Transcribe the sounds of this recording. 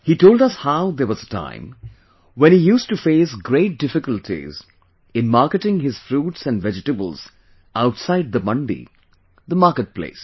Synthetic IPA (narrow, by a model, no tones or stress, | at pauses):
hitoʊlˠdʌshaʊðə˞wʌzətʰã̰ɪ̃m | wɛ̃nhijuːstufeɪsɡɾeɪt̚d̥ɪfɪkəltʰḭz | ɪ̃nmaɾkətɪ̃ŋɦɪz̥fɾuːtsæ̃nvɛd͡ʒɨtəbə̰l̩ˠz̥ | aʊtsaɪd̪̚ðəmʌ̃ndḭ | ðəmakət̚pʰlḛɪs